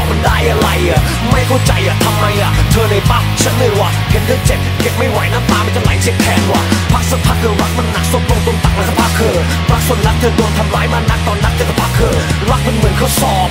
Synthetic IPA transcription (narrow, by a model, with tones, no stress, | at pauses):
mə˧˩nɗaː˧˩jʔa˧˩ɾa˧˩jʔaː˨˩ | ma˧˩jkʰɔ˧˥˩t͡ɕa˧jʔaː˨˩t̪ʰa˧mːa˧jʔaː˨˩t̪ʰəː˧na˨˩jpaː˧˩p̚t͡ɕʰa˦˥nlɯː˧˩waː˧˩kʰe˨˦nɗɯː˧ŋt͡ɕe˨˩p̚ke˧˥˩p̚ma˧˩jwaː˨˦jnaː˧˥˩t̪aː˧ma˧˩nt͡ɕa˧ŋla̰ː˨˦jt͡ɕʰi˧˥k̚t̪ʰɛː˧˩nwaː˧˩pʰaː˦˥˩k̚so˧˩t̚pʰaː˧˥˩k̪ʰəː˧˩waː˧˥k̚ma˧˩nːa˨˧˥k̚so˧˩p̚t̪u˧ŋt̪u˧ŋt̪a˨˩ŋ̚ʔkʰːwpʰaː˦˧˥kʰəː˧˩ | ɾaː˦˥k̚so˧˩nla˦˥t̪̚ʰəː˧˩ɗu˧əŋ̚t̪ʰa˧˩mlaː˨˦˥jmaː˧˩na˧˥k̚t̪ɔː˧˩nɗa˧˥k̚t͡ɕə˧˩k̪a˨˧˩pʰaː˦˥kʰəː˧˩ɾaː˦˧˥k̚mə˧nmɨ˨˦ənkʰɔː˧˩sɔː˧˩p̚